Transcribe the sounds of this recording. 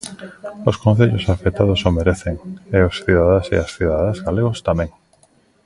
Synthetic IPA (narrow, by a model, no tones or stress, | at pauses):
oskõn̟θeʎosafet̪að̞ʊsomeɾeθeŋeosθiðaðasḛasθiðaðazɣaleɣost̪amɛ̃ŋ